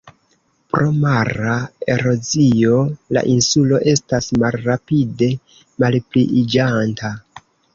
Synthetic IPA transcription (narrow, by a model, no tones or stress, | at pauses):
pɾo̞maɾae̞ɾo̞zio̞la̰ʔinsulo̞ʔe̞stasmalɾapide̞ | malpliʔid͡ʒanta